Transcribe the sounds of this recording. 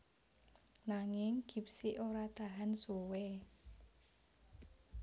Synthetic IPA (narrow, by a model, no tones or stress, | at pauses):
naŋɪŋɡ̥i̤psiʔoɾat̪a̤ɦansuwe